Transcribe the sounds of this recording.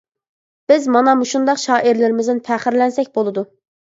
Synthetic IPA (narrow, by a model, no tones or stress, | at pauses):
b̥ɪzmɑnɑmuʃund̪ɑqʃɑːʔiɾlɪɾɪmɪzɪnpʰæχɪɾlɛnsɛkʲbolˠɨd̪u